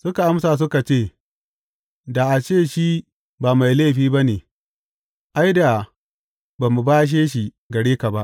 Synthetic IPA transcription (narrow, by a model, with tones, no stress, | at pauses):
sʊ˦ka˨ʔa˦msa˨s̬ʊ˦ka˨t͡ʃeː˦˨ | da˨ʔa˨t͡ʃeː˦˨ʃi˦ | baː˨ma˨jleː˦˨ɸiː˦ba˦neː˨ | ʔa˦jda˨ | baː˨mu˨baː˦ʃ̬eː˦ʃi˨ | ɡɐ˨ɽeː˦ka˨ba˦ʔ